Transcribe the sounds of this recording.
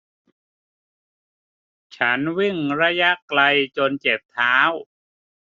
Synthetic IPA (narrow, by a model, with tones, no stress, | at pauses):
t͡ɕʰa˦˥nwi˥˩ŋɾa˦˥ja˦˥kla˧jt͡ɕo˧nt͡ɕe˨˩p̚t̪ʰaː˦˥w